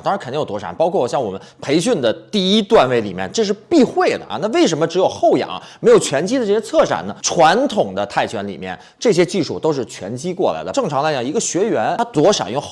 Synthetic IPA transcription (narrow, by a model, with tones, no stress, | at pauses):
t̪ɑ˥ŋa˧˥kə˨˩˥jo˩t̪wɔ˥ʂa̰˨˩npɑ˥kʰwɔ˥˩wɔ˨˩ɕjɑ˥˩ŋwɔ˨˩mə˦npʰe˧˥ɪɕy˥˩nd̪ə˩t̪i˥˩˧i˥t̪wa˥˧nwe˥˩ɪli˨˩mjɛ̰˥˧nʈ͡ʂɤ˥˧ʂ̬ɻ̩˥˧pi˥˧xwe˥˩ɪd̪ə̰˩ʔna˥˧we˥˩ɪʂ̬ə˧˥nmə˧ʈ͡ʂɻ̩˧˥jo˨˩ʊxo˥˩ʊjɑ̰˨˩˦me˧˥ɪjo˨˩ʊt͡ɕʰɥɛ˧˥nt͡ɕi˥d̪ə˧ʈ͡ʂɤ˥˩ɕjɛ˥t͡sʰɤ˥˩ʂa̰˨˩nə˦ʈ͡ʂʰwa˧˥nt̪ʰʊ˨˩ŋd̪ə˦t̪ʰa˥˩ɪt͡ɕʰɥɛ˧˥nli˨˩mjɛ̰˥˧n | ʈ͡ʂɤ˥˩ɕ̬jɛ˥t͡ɕi˥˧ʂu˥˩t̪o˥ʊʂɻ̩˥˩t͡ɕʰɥɛ̰˧˥nt͡ɕi˥kwɔ˥˩la̰˧˥ɪd̪ə˧ʈ͡ʂɤ˥˩ŋʈ͡ʂʰɑ˧˥ŋla˧˥ɪt͡ɕjɑ˨˩ŋ˧i˧˥ɡə˧ɕɥɛ˧˥ɥɛ˧˥nt̪ʰa˥t̪wɔ˧˥ʂa̰˨˩n˥˧˩